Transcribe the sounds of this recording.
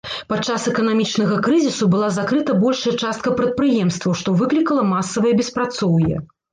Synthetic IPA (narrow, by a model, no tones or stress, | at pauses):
pat͡ʂasɛkɐnamʲit͡ʂn̪ɐɣɐkɾɨzʲisubɨlˠazakɾɨt̪ɐbɔlʲʂɐjɛt͡ʂast̪̚kɐpɾɐt̪̚pɾɨjɛmst̪vɐwʂt̪ɔvɨklʲikɐlˠɐmasːɐvɐjɛbʲɛspɾat̪sɔwjɛ̰